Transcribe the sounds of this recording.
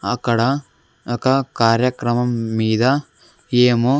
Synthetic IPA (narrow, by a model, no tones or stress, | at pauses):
ɐkɐɽɐ | ɐkɐkaːɾjɐkɾɐmɐmːiːd̪ɐ | eːmo